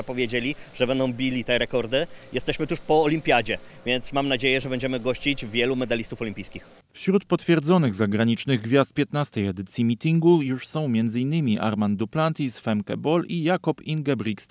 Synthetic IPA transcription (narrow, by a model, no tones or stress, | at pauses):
apɔvʲjed͡ʑelʲiʐ̥ɛbɛnd̪ɔ̃w̃bʲilʲit̪ɛɾɛkɔɾd̪ɘjʔɛst̪ɛɕmɘt̪uʂpɔːlʲimʲpʲjad͡ʑɛ | vʲjɛnt̪smamnad͡ʑejɛʐɛbɛɲd͡ʑɛmɘɡɔɕt͡ɕid͡ʑvʲjɛlumɛd̪alʲist̪ufɔlʲĩmpʲijskʲix | fɕɾut̪̚pɔt̪fʲjɛɾd̪zɔnɘɣzaɡɾaɲit͡ʂnɘɣɡvʲjast̪̚pʲjɛt̪nast̪ɛjɛd̪ɘt̪sʲjimʲit̪ʲiŋɡujuʂsɔ̃w̃mʲjɛnd̪zɘinːɘmʲiʔa̰ɾmand̪uplant̪ʲisfɛmkɛ̰bɔlijakɔpinɡɛbɾʲikst̪